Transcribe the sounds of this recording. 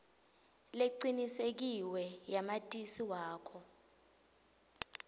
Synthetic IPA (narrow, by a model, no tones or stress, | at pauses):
leǀinisek̬iwɛjamatʼisiwaːkʰɔ